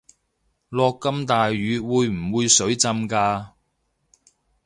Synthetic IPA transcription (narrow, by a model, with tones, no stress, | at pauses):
lɔː˧kːɐ˥mt̪aː˨jɥyː˨˧wuː˨˧jm̩˨˩wuː˨˧jsɵ˨˥ɥt͡sɐ˧mkaː˧